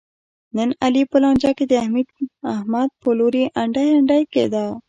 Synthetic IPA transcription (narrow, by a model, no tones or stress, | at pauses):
nənalipəlɑnd͡ʒɑked̪əahmid̪̚ahmad̪̚pəloɾiʔaɳɖajaɳɖajkḛd̪a